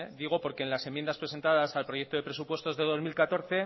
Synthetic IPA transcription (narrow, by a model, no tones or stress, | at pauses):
d̪iɣ̞o̞po̞ɾke̞ːnlase̞mjend̪aspɾe̞se̞nt̪aðasalpɾo̞je̞k̚t̪oðe̞pɾe̞s̬upwe̞st̪o̞zðe̞ðo̞zmilkat̪o̞ɾθe̞